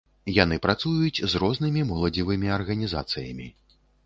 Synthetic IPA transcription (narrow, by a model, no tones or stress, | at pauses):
jan̪ɨpɾat̪sujut͡sʲzrɔznɨmʲimɔlˠɐd͡zʲivɨmʲiɐrɣɐnʲiza̰t̪sɨjɐmʲi